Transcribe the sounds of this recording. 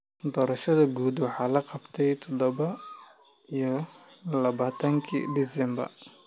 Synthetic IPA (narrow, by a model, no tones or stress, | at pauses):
d̪ɔːɾɐʃɐðɐɡuːd̪wɑħɑːlɐqɑbt̪ʰɛjt̪ʰɔd̪ɔβɐ | ijɔ | lɐβaːt̪ʰɐŋkʰḭd̪ɪsɛmbɐ̰r